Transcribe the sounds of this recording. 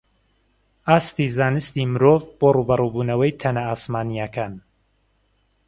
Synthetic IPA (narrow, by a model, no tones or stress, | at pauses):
aːst̪iːzaːnɨst̪iːmɨɾoːvboruːbɐrubuːnɐwɐjt̪ʰɐnɐaːsmaːnijɐkʰaːn